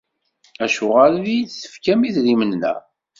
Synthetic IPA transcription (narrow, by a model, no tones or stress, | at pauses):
æʃʊʁalðijθə̥fkæmiθðimənːæ̰